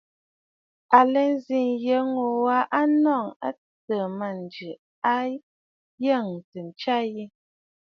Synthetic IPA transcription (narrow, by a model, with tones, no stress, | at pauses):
a˨lɛ˦n˦zi˨ŋjə˦ŋo˨wa˦ʔa˦nɔ˦˨ŋa̰˦ | tə˨ma˨n˨d͡ʒʉ˨ | a˦ | jə˦˨ŋ˨tə˨n˨t͡ʃa˦ji˦